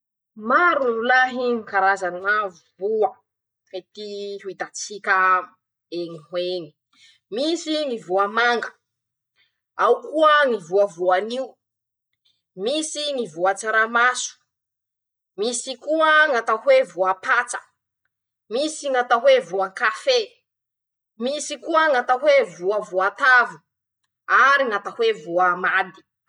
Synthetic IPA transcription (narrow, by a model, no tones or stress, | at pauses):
maɾunulaɦiŋikaɾazannavubuə | et̪ihuit̪at͡sikʲə | eŋihweni̥ | misinivuamaŋɡə̥ | awkuəŋivuavuaniu | misinivuat͡saɾamasu̥ | misikuəŋat̪ahwevuapat͡sə̥ | misiŋat̪aɦwevuaŋkafe | misikuəŋat̪aɦwevuavuat̪avu | aɾiŋat̪ahwevuamad̪i̥